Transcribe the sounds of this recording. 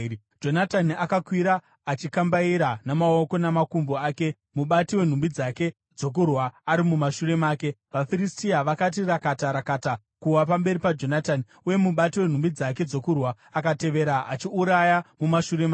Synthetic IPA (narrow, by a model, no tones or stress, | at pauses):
d͡ʒo̞natanakakwiɾaː | t͡ʃikambaiɾanamao̞ko̞namakumboaːke̞ | muɓatiwe̞n̤umbid͡zake̞ | d͡zo̞k̬urwaːɾimumaʃuɾe̞maːke̞ʋafiɾistiaʋakat̬irakataɾakata | kuwapambe̞ɾipad͡ʒo̞natani | uje̞muɓatiwe̞n̤umbid͡zak̬e̞d͡zo̞kurwaːkate̞ʋe̞ːɾaa̰t͡ʃiuɾajamumaʃuɾe̞ma